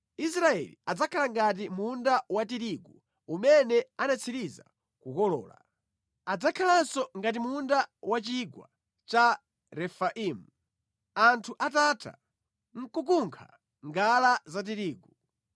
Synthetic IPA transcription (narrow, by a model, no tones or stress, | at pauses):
is̬ɾaɛ̰liad͡zakʰalaŋɡat̬imundawatiɾiɡu | umɛnɛanat͡sʰiɾiza̰ | kukɔlɔ̰ːla̰ | ad͡zakʰalansɔŋɡat̬imundawat͡ʃiɡwa̰ | t͡ʃa | ɾɛfaʔiːmu | antʰuʔatatʰa̰ | ŋ̩kukuŋkʰa̰ | ŋɡalazat̬iɾiːɡu